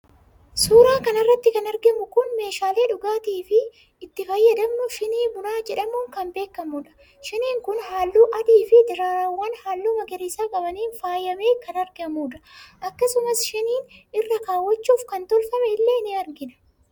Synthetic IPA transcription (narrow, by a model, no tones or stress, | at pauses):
suːɾaːkɐnɐrːɐt̪ːɪkɐnɐɾɡɛmʊkʊnme̞ːʃaːle̞ːᶑʊɡaːt̪iːfɪ | ɪt̪ːɪfɐjːɐd̪ɐmnʊʃɪniːbʊɾaːd͡ʒɛᶑɐmʊːŋkɐmbe̞ːkːɐmʊᶑɐ̥ | ʃɪniːŋkʊnhaːlːuːʔɐd̪iːfɪd̪ɪɾaːɾɐwːɐnhaːlːuːmɐɡɛɾiːsaːkʼɐbɐniːnfaːjːɐme̞ːkɐnɐɾɡɪɐmuːᶑɐ̥ʔɐkːɐsʊmɐsʃɪniːnɪrːɐkaːwːɐt͡ʃːuːfkɐnt̪ɔlfɐmɛɪlːe̞ːnɪɐɾɡɪnɐ̥